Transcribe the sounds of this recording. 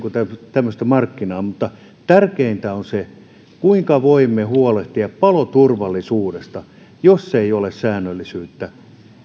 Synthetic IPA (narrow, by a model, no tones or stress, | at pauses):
kut̪æt̪æmːøst̪æmɑrkːinɑːmut̪ːɑ | t̪ærkeint̪æonse | kuiŋkɑʋoimːˑehuoleht̪iɑppɑlot̪urʋɑlːˑisuːdest̪ɑ | josːeiolessæːnːølːisyːt̪ːæ